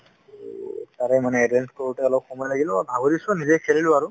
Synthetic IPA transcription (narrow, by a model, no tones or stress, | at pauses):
taɹɛmanɛːdɛnskɔɹutɛɔlɔp̚xumɔjlaɡilɔabʱaɡodisɔnizɛkʰelilʊaɹu